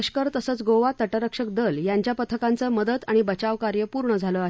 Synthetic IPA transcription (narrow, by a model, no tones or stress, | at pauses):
əɕkəɾt̪əsəːt͡sɡoʋat̪ːəʈəɾəkʂək̚d̪əljaɲt͡ɕjapət̪ʰəkãnt͡səməd̪ət̪aɽ̃ibət͡ɕaʋkaɾjəpuɾɳəd͡zʱaləaɦ